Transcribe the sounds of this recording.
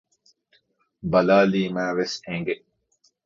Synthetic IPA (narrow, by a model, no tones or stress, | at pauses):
bɐlaːliːmæːʋesẽŋɡe